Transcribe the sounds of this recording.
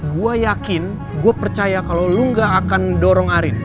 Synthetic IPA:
ɡuajakɪn | ɡuapərt͡ʃajakaloluŋɡaːkandɔɾɔŋaɾɪn

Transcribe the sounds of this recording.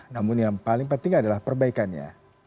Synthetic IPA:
namʊnjaŋpalɪŋpənt̪ɪŋadalahpərbaikanɲa̰

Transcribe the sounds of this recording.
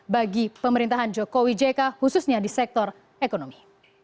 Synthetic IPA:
baɡipəməɾint̪aɦand͡ʒokowid͡ʒekahususɲadisɛk̚t̪ɔr | ekonomi

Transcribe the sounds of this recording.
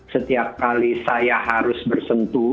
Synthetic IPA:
sət̪iap̚kalisajaɦaɾʊsbərsənt̪u

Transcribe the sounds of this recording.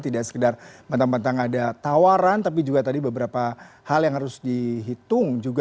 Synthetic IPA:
t̪idaʔsə̥kədarmənt̪aŋmənt̪aŋadat̪awaɾant̪ap̬id͡ʒuɡat̪adibəbəɾapa | haljaŋhaɾʊsdiɦit̪ʊŋd͡ʒuɡ

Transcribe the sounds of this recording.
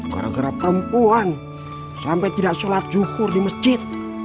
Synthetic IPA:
ɡa̰ɾa̰ɡəɾapəmpuan | sampajt̪idaʔsolat̪̚d͡ʒukʊrdiməsd͡ʒɪt̪̚

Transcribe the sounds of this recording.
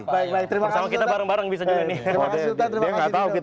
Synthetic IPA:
baɪk̚baɪk̚t̪əɾimsamakit̪abaɾaŋbaɾaŋbisad͡ʒunɪaut̪aəɾimaŋɡaaukit̪

